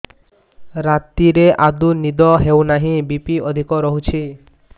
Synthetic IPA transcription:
ɾat̪iɾeʔad̪unid̪ɔɦewnaɦĩbipiɔd̪ʱikɔɾɔɦut͡ʃʰi

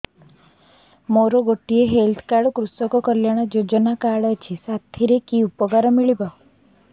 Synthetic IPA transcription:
moɾoɡoʈːieɦelt̪ʰkaɽkɾusɔkɔkɔljaɽ̃ɔd͡ʒod͡ʒɔnakaɽat͡ʃʰisat̪ʰiɾekiupɔɡaɾɔmiɭibɔ

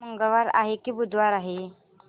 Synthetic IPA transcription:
məŋɡəʋaɾa̰ɦekibud̪ʱʋaɾaɦe

